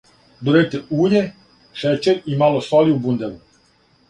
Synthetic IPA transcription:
d̪uɾɛt̪ɛuːɾʲɛ | ʃɛt͡ʃɛɾimalosɔliubund̪ɛlu

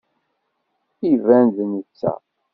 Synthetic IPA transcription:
ivænd̪nət͡sːæ̰

